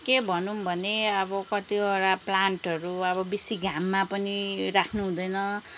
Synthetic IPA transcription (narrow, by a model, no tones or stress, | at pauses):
kebʱʌnumbʱʌneʌbʌkʌt̪ioɾaplaɳʈʌɾuʌβʌbisiɡʱamːapʌniɾakʰnuɦũd̪ʌjnʌ